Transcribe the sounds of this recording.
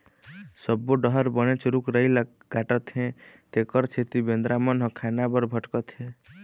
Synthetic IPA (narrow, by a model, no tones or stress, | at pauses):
səbːoɖəɦəɾbənet͡ʃɾukɾəil | ɡaʈət̪ɦẽt̪ekəɾt͡ʃʰet̪ibend̪ɾamənɦɔ̃kʰanabəɾbʱəʈkət̪ɦẽ